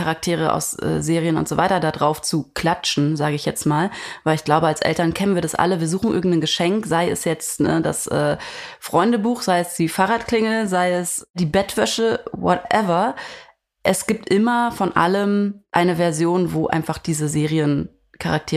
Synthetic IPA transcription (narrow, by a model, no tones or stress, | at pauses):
kaʁak̚tʰeːʁəʔa̰ʊsʔɛ̰ːzeːʁijənʊ̰ntz̥ovaɪtɐdadʁaʊft͡sukʰl̥at͡ʃn̩zaːɡəɪçjɛt͡stmaːlvaɪlɪçɡ̥laʊbəalsʔɛ̰ltɐnkʰɛnənviːɐdasʔa̰ləviːɐzuːxŋ̩ʔɪ̰ɐɡŋ̩tnɡəʃɛŋkz̥aɪɛ̰sjɛt͡stnə̰da̰sʔɛ̰ːfʁ̥ɔʏndəbuːxz̥aɪɛsd̥iːfaːʁaːtkl̥ɪŋl̩zaɪɛsd̥iːbɛtv̥œʃəwɔ̰tʔɛvɐ | ʔɛsɡ̥iːp̚tʔɪmɐfɔnʔa̰ləmʔa̰ɪnəvɛɐzjoːnvoːʔa̰ɪnfaχd̥iːzəzeːʁiən | kʰaʁak̚tʰeː